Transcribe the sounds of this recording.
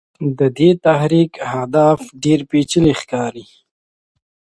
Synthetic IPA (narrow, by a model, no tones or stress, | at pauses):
d̪əd̪et̪aɦɾikhad̪afɖeɾpet͡ʃəlexkɑːɾi